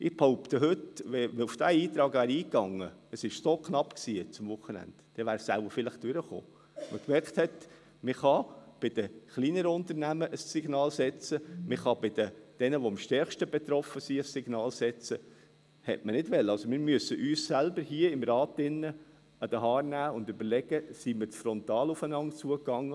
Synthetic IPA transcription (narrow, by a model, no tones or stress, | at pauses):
ʔɪb̥hoʊpt̪əɦʏtʋɛufd̥æiːt̪ɾɑːɡvæːɾiːkːɑŋːəəsɪʃsokʰnɑpksiːt͡sʊmvʊχənæ̰ntd̥ɛʋæːɾsælbəɾfɪlɪχd̥øɾəχo̰ː | məkmɛɾkt̪hɛt̪ | mɪχɑb̥ɪd̥̪əχliːnəɾəʊnt̪əɾnæməʔəssiɡ̥nɑːlsɛt͡səmɪχɑbɪd̥̪əd̥ɛnəʋoɑmʃtɛɾχʃtəbet̪ɾɔfəsiəsːɪɡ̥nɑːlsɛt͡sə | hɛ̰tmənɪdvʋɛlːəɑlsomɪɾmyəsəʔyːssælbəɾɦiəɪmrɑːtɪnːə | ɑd̥̪əɦɑːrnæːʊndʏbəɾlɛɡ̥əsimɪɾt͡sfɾɔnt̪ɑːlufənɑnt̚t͡suəkːɑŋːə